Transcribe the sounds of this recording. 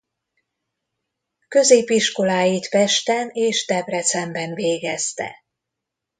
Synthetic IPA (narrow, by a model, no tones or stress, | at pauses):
kø̞zeːpiʃko̞laːjit̪fɛʃt̪ɛneːʃt̪ɛbrɛt̪sɛmbɛnveːɡɛst̪ɛ̰